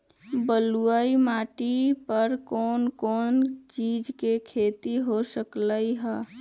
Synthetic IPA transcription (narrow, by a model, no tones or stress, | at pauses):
bəluəimaʈipəɾkoːnkoːnt͡ʃid͡ʒkekʰet̪iɦosəkləiɦə